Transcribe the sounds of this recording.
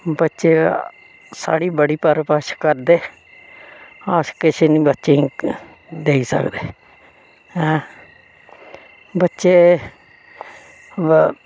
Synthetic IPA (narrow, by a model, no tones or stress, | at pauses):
bətːʃeː | sa̰ːɽiːbəɽiːpəɾpəʃkəɾd̪eː | aːʃkɪʃeːnĩːbətːʃẽ | d̪eːiːsə̰kd̪eː | ɦɛ̃ː | bətːʃeː